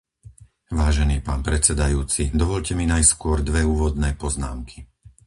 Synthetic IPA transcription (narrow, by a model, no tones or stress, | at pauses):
ʋaːʒɛniːpaːnpɾɛt͡sɛd̪ajuːt͡sid̪ɔʋɔʎcɛminajskʊɔɾd̪ʋɛuːʋɔd̪nɛːpɔzna̰ːmkʰi̥